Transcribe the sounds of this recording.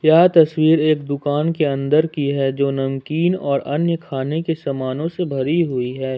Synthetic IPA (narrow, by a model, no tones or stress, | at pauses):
jɐɦt̪ɐswiːɾeːkd̪ʊkaːnkeɐ̃nd̪əɾkiɦɛd͡ʒoːnɐmkiːnɔːɾɐnjəkʰaːnekesɐmaːnõsebʱɐɾiɦʊiɦɛː